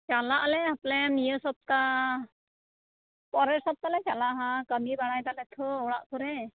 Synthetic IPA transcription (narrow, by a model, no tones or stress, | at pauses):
t͡ʃalaʔalɛaplɛmijəsɔp̚ka | pɔɾɛsɔb̚t̪alɛt͡ʃalaɦãkəmibaɽ̃ajd̪alɛt̪ʰɔɔɽaʔkʰɔɾɛ